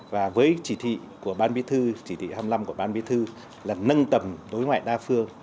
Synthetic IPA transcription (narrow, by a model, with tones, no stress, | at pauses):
vaː˨˩vəː˨˦jt͡ɕi˧˩t̪ʰḭ˧˨ku˧˩əɓaː˧nɓḭ˧˥t̪ʰɨ˧t͡ɕi˧˩t̪ʰḭ˧˨ha˧wmla˧mku˧˩əɓaː˧nɓi˧˥t̪ʰɨ˧ | laː˨˩nə˧nt̪ə˨˩mɗ̪o˨˦jŋwa̰ː˧˨jɗaː˧fɨ˧əŋ